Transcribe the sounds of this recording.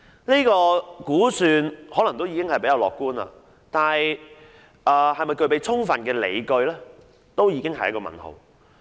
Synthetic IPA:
niː˥kɔː˧kuː˨˥syː˨˧nhɔː˨˥lɐ˨˩ŋt̪o˥wji˨˧kɪ˥ŋhɐ˨jpe˨˥jɐ˨˧wlɔ̰ː˨kːuː˥nla̰ː˧ | t̪aː˨nhɐ˨j | ʔɐː˨hɐ˨jmɐ˨jkɵ˧ɥpe˨˧jt͡sʰʊ˥ŋfɐ˨nkɛː˧lḛ˨˧jkɵ˧ɥlɛː˥ | t̪o˥wjiː˨˧kɪ˥ŋɦɐ˨jɐ˥kːɔː˧mɐ̰˨˩nho̰˨˩w

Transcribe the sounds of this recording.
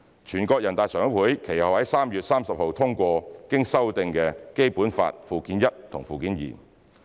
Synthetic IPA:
t͡ʃʰyː˨˩nkɔː˧k̚jɐ˨˩nt̪aː˨t̚sœː˨ŋ˥wuː˨˥jkʰe˨˩jhɐ˨˩whɐ˨˥jsaː˥mjyː˨t̚saː˥msɐ˨p̚ho˨wt̪ʰʊ˥ŋkʷɔː˧˨kɪ˥ŋsɐ˥wt̪ɪ˧ŋkɛː˧ke˥jpuː˨˥nfa̰ː˧t̚fuː˨kiː˨˥njɐ˥t̚t̪ʰʊ̰˨˩ŋfuː˨kiː˨˥njḭː˨˩n

